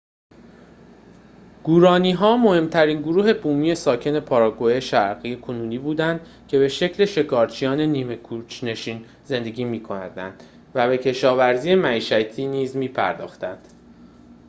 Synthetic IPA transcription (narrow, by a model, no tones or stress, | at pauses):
ɡ̥uːɾɒːniːɦɒːmo̞he̞mt̪ʰæɾiːnɡoɾuːɦe̞buːmiːe̞sɒːcʰe̞ne̞pʰɒːɾɒːɡojeʃæɾɣiːje̞kʰonuːniːbuːd̪ænd̪̥ | cʰe̞be̞ʃe̞cʰle̞ʃe̞kʰɒːɾt͡ʃʰijɒːne̞niːme̞kʰut͡ʃʰne̞ʃiːn | ze̞nd̪e̞ɟʲiːmiːkʰo̞næd̪ænd̪̥ | væbe̞cʰe̞ʃɒːvæɾziːemæiːʃæt̪ʰiːniːzmiːpʰæ̰ɾd̪ɒ̰ːxt̪ænd̪̥